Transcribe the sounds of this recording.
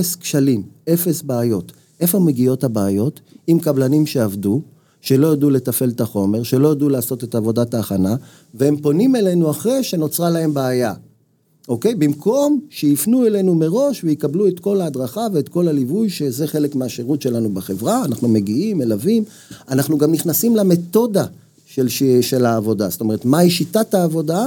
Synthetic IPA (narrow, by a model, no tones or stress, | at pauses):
skʃalime̞fe̞sbeajo̞t | e̞fo̞meɡio̞thabaːjo̞timkablanimʃe̞avdu | ʃe̞lo̞jadule̞t̪afe̞lt̪aχo̞me̞ʁʃe̞lo̞jadulaːso̞t̪e̞tavo̞dataːχana | vehempo̞nime̞le̞nuaχʁeʃe̞no̞t͡sʁalae̞mbeaja | ʔo̞ke̞jbimkʰo̞mʃejifnuele̞nume̞ʁo̞ʃvejikablue̞t̪ko̞laːd̪ʁaχave̞ːt̪ko̞lalivujʃeze̞χe̞lekmeaʃeʁutʃe̞lanubaχe̞vʁaːnaχnume̞ɡiime̞lavim | anaχnuɡamniχnasimlame̞to̞da | ʃeʃe̞laːvo̞dast̪ome̞etmaiʃitataːvo̞da